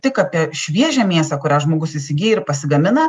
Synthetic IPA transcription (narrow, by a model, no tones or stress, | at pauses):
t̪ʲɪkaːpʲiɛʃʲʋʲiɛʒʲæmʲiɛsɐkʊɾʲæːʒmoːɡʊsɪsʲɪɡʲijɛɪɾpɐsʲɪɡɐmʲɪnɐ